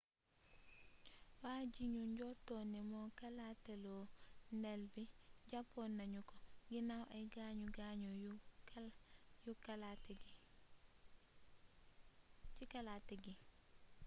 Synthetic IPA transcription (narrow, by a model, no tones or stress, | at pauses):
waɟiɲuɲɟɔtonimokalatelonelbiɟapːonːaɲukɔɡinawʔajɡaɲuɡaɲuju | jukalatɡi | cikalateɡi